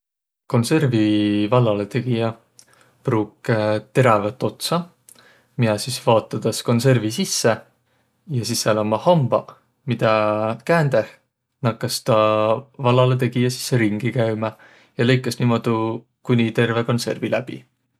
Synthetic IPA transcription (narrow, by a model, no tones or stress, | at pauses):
ko̞nse̞rvivɑlːɑlet̪e̞ɡ̥ijɑ | pruːkːt̪e̞ɾɑvɑt̪ːˑo̞t̪sɑ | miɑsisvɑːt̪ːˑɑd̪̥ɑsko̞nse̞rvisisːe | jɑsisːeelɑmɑhɑmb̥ɑ | mid̪̥ɑkæːnd̪̥eh | nɑkːˑɑst̪ɑvɑlːɑlet̪̬e̞ɡ̥ijɑsi̥sːeɾiŋɡ̥ikæjmɑ | jɑle̞jkːˑɑsniːmo̞d̪̥u | kunʲit̪e̞rve̞ko̞nse̞̰rvilæb̥ḭ